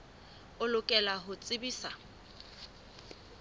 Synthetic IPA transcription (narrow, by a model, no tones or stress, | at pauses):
ʊlʊkʼɛlaɦʊt͡sʼɪbiːsa